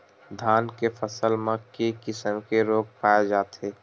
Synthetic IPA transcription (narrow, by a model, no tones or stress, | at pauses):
d̪ʱaːnkefʰəsəlmẽkekɪsəmkeɾoːk̚paːed͡ʒaːt̪ɦeː